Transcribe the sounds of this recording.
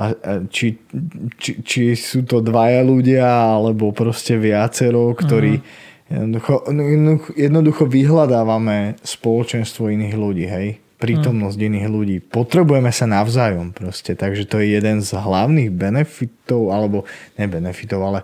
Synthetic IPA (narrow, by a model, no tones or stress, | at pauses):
ʔaat͡ʃit͡ʃit͡ʃisuːt̪ɔd̪ʋajaluɟɪaalɛbɔpɾɔscɛʋɪat͡sɛɾɔʊkt̪ɔɾiː | jɛ̰d̪nɔd̪uxɔjɛnuxjɛd̪nɔd̪uxɔʋiɦlad̪aːʋamɛspɔlɔt͡ʃɛnst̪ʋɔiniːɣluɟiːɦɛj | pɾiːt̪ɔmnɔzɟiniːɣluɟiːpɔt̪ɾɛbujɛmɛsanaʊzaːjɔmpɾɔscɛt̪aɡʒɛt̪ɔjɛjɛd̪ɛnzɦlaʊniːɣbɛnɛfit̪ɔʊalɛbɔɲɛbɛnɛfit̪ɔʊalɛ